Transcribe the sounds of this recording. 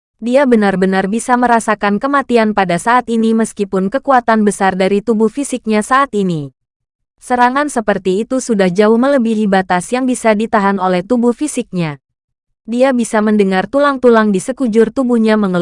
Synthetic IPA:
diabənarbənarbisaməɾasakankəmat̪ianpadasaːt̪iniməskipʊnkəkuat̪anbəsardaɾit̪ubuhfisɪk̚ɲasaʔːt̪ini | səɾaŋansəpərt̪iːt̪usudahd͡ʒaʊhmələbihlibat̪asjaŋbisadit̪aɦanolɛht̪ubuhfisɪk̚ɲa | diabisaməndəŋart̪ulaŋt̪ulaŋdisəkud͡ʒʊrt̪ubuhɲaməŋəl

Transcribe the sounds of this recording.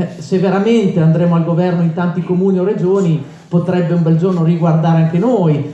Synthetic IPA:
sevːeɾament̪eand̪ɾeːmoalɡovɛrnoint̪ant̪ikomuːniorːed͡ʒoːni | pot̪ɾɛbːeumbɛld͡ʒornoriɡward̪aːɾeaŋkenoːj

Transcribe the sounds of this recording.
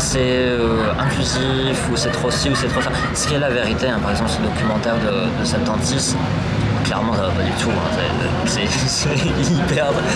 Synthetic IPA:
sɛ | ø | ɛ̃klyzi | fusɛt̪χosiusɛt̪χosa | sə̥kʲiɛlaveʁit̪eɛ̃paʁɛɡzɑ̃plsəd̪ɔkʲymɑ̃t̪ɛʁd̪ə | d̪əsɛt̪ɑ̃t̪is | klɛ̰ʁmɑ̃savapad̪yt̪ʰuɛ̰̃sɛ̰ | sɛ | sɛ | ipɛʁ

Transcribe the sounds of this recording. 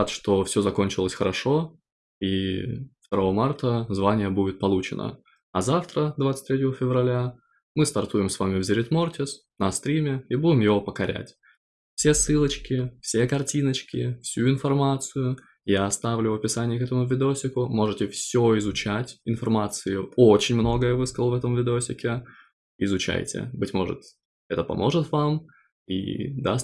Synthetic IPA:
at̪ʂt̪o̞fsʲo̞zɐko̞nʲt͡ɕɪlˠəsʲxəɾɐʂo̞ | ift̪ɐɾo̞vəmart̪əzvanʲɪjəbudʲɪt̪̚pɐlˠut͡ɕɪnə̰ | ɐzaft̪ɾəd̪vat̪sɨ̥t̪ɾʲet̬ʲəvəfʲɪvrɐlʲa | mɨst̪ɐrt̪ujɪmsvamʲɪvzʲɪɾʲɪt̪mo̞rtʲɪs | nɐst̪ɾʲimʲɪibudʲɪmjɪvo̞pəkɐɾʲæ̰tʲ | fsʲe̞sːɨlˠət͡ɕkʲɪfsʲe̞kɐrtʲinət͡ɕkʲɪfsʲuɪnfɐrmat̪sɨjʊ | jaɐst̪avlʲʊɐpʲɪsanʲɪjəkɛt̪əmʊvʲɪd̪ʲosʲɪkʊmo̞ʐɨtʲɪfsʲoɪzʊt͡ɕætʲɪnfɐrmat̪sɨjʊo̞t͡ɕɪnʲmno̞ɡəjəvɨskəlˠvɛt̪əmvʲɪd̪ʲosʲɪkʲɪ | ɪzʊt͡ɕæ̰jtʲɪ̰bɨtʲmo̞̰ʐɨ̰t̪ | ɛt̪əpɐ̰mʔo̞ʐɨt̪vam | ḭd̪a

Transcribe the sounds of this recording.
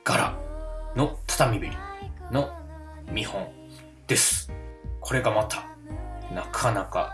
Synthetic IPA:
ɡ̥aɾa̰no̞t̪ʰḁt̪amʲibeɾʲino̞mʲihõ̞ɴ | d̪̥e̞sɨ̥kʰo̞ɾe̞ɡamat̪ʰḁ | nakʰanaka̰

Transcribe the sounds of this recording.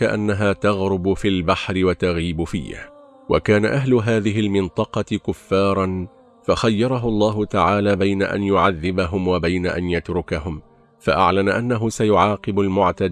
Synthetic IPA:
aʔa̰nːaɦaːt̪ɑɣɾʊbʊfilbaħɾɪwat̪aɣiːbʊfḭːha̰ | wʔa̰kaːnaʔaɦlʊɦaːðɪɦɪlmɪnt̪ˤɑqɑɪkʊfːɑːɾˤɑn | faxajːɑɾˤɑɦʊlˤːɑːɦʊt̪aʕaːlaːbajna̰ʔa̰njʊʕaðːɪbaɦʊmwabajnaʔa̰njat̪ɾˤʊkahʊm | fa̰ʔa̰ʕlanaʔanːaɦʊsajʊʕɑːqɨbʊlmʊʕt̪ad̪

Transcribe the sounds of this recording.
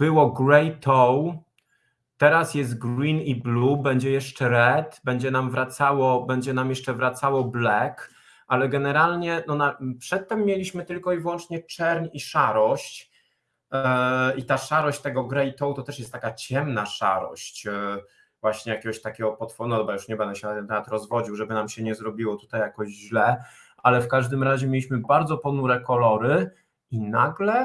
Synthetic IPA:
b̥ɘwɔɡɾɛjt̪ʰɔw | t̪ɛɾasjɛst̪̚ɡɾiniblubɛɲd͡ʑɛjɛʂt͡ʂɛɾɛt̪bɛɲd͡ʑɛnamvɾat̪sawɔbɛɲd͡ʑɛnamjɛʂt͡ʂɛvɾat̪sawɔblɛk | alɛɡɛnɛɾalɲɛnɔnapʂɛt̪ːɛmːjelʲiɕmɘt̪ɘlkɔivwɔnt͡ʂɲɛt͡ʂɛɾɲiʂaɾɔɕt͡ɕ | it̪aʂaɾɔɕt͡ɕt̪ɛɡɔɡɾɛit̪ɔwt̪ɔt̪ɛʂjɛst̪t̪ːakat͡ɕɛmnaʂa̰ɾɔ̰ɕt͡ɕ | vwaɕɲɛjakʲɛɡɔɕt̪akʲɛɡɔpɔt̪fɔnɔxɛbajuʂɲɛbɛnd̪ɔɕɛnat̪ɛnt̪ɛmat̪ɾɔzvɔd͡ʑiwʐɛbɘnamɕɛɲɛzɾɔbʲiwɔt̪u̥t̪ajakɔʑʑlɛ | ʔalɛfkaʐd̪ɘmɾaʑɛmʲelʲiɕmɘbaɾd̪zɔpɔnuɾɛkɔlɔɾɘ | inaɡlɛ

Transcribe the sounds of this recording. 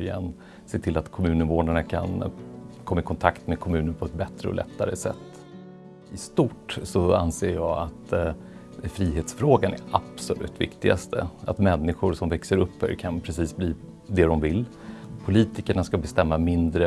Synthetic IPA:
ja̰n | seːt̪ʰɪlːat̪kʰɔmʉ̟ːnənvoːɳaɳakʰa̰nkʰɔmːaɪkʰɔnt̪ʰakt̪med̪kʰɔmʉ̟ːnəɳpʰɔɛt̪̚bɛt̪ɾəɔ̰lʔɛ̰t̪ʰːaɾə̰sɛ̰t̪ː | ɪst̪ʊʈsɔa̰nseːɾjɑːat̪ | fɾiːɦeːt̪sfɾoːɡanɛ̰ɾʔab̥sɔlʔʉ̟̰ːt̪vɪ̰kt̪ɪɡa̰st̪ʰə̰at̪mɛnːɪɧʊɾsɔmvɛksəɾɵpːœ̰kʰanpʰɾɛsiːsbliː | d̪ɛd̪ɔmvɪl | pʰʊliːt̪ɪkəɳaskabɛst̪ɛmːamɪnd̪ɾə

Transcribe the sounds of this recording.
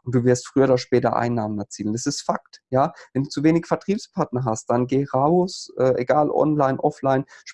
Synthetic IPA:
ʔʊnt̚d̥uːvɪɐstfʁ̥yːɐdaʃpɛːtɐ̰ʔa̰ɪnːaːmənɛɐt͡siːlndasɪstfaktjaːvɛnduːt͡suveːnɪçfɛɐtʁ̥iːpspʰaɐtnɐɦast̚d̥anɡeːʁaʊsʔɛːʔeɡaːlʔɔ̰nlaɪnʔɔ̰flaɪnʃ

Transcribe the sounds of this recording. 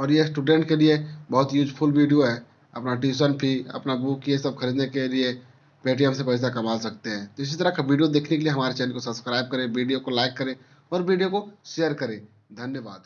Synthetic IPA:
ɔːɾjesʈuːɖẽɳʈkeliebɐɦʊt̪juːd͡ʒpʰʊlʋiːɖijoɦɛː | ɐ̰pnaʈiːsənpʰiɐ̰pnabuːkːiesɐb̚kʰɐɾiːd̪nekelie | peːʈiɦəmsepɐɪs̬akɐmaːlsɐk̚t̪eɦɛ̃ːt̪oɪs̬it̪əɾəkʋiːɖijod̪eːkʰnekelieɦɐmaːɾet͡ʃɛːnkosɐbskɾaːɪb̚kɐɾẽʋiːɖijokolaːɪkːɐɾẽ | ɔːɾʋiːɖijokoʃejəɾkɐɾẽ | d̪ʱɐnjəʋaːd̪

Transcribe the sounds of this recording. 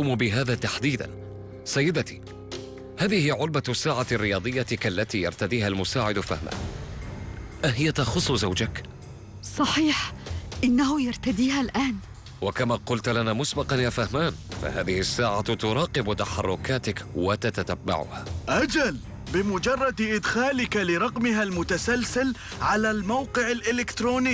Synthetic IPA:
uːmbɪɦaːðaːt̪aħd̪iːd̪a̰n | sajːɪd̪at̪i̥ː | haːðɪhɪjʕʊlbasːaːʕarːɪjɑːd̪ˤɨjːakalːat̪iːjɑ̰ɾˤt̪ad̪iːhalmʊsaːʕɪd̪fahmʔa̰n | ʔaɦɪjat̪ɑxʊsˤːʊzawd͡ʒak | sˤɑħiːħʔɪnːahʊjaɾˤt̪ad̪iːhalʔaːn | wakamaːqʊlt̪lanaːmʊsbɑqɑnjaːfahmaːnfa̰haːðɪhɪsːaːʕat̪ʊɾˤɑːqɪbt̪aħɑrˤːʊkaːt̪ɪkwat̪at̪at̪abːa̰ʕʊ̰haʔad͡ʒal | bɪmʊd͡ʒɑrˤːɑd̪ʔɪd̪xaːlɪkalɪɾˤɑqmɪɦalmʊt̪asalsɪl | ʕalalmawqɪʕalʔɪlɪkt̪ɾuːniː

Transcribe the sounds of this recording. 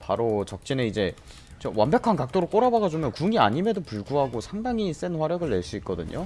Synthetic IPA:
paɾot͡ɕʌk̚t͡ɕ͈ineid͡ʑe̞ | t͡ɕ͈ʌwanbjʌkʰankak̚t͈oɾok͈oɾabaɡad͡ʑomjʌnkuŋia̰ɲime̞dopuɭɡuɦaɡosʰaŋdaŋis͈enɸwaɾjʌɡɯɭːe̞ɭs͈uit̚k͈ʌdɯɲo̰

